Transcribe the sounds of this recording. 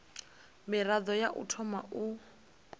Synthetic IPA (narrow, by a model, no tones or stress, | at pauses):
mɪrad̪ɔjaʔṵtʰɔmaʔu